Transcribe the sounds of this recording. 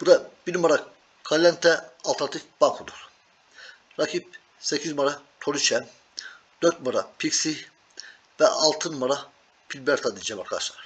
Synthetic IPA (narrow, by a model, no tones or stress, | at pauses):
b̥ud̪ab̥inmaɾa | kʰalʲːɛnt̪ʰːɛalˠt̪ʰanat̪ʰikb̥akʰod̪ˠuɾ̥ | ɾakʰip̚ | secʰizmaɾat̪ʰoɾyt͡ʃʰɛn | d̪̥øɾt̪̚maɾapʰiksi | vɛ̰ɑlˠt̪ʰɯnumaɾa | pʰilʲbɛɾt̪ʰad̪id͡ʒɛmaɾkʰad̪a̰ʃlˠaɾ̥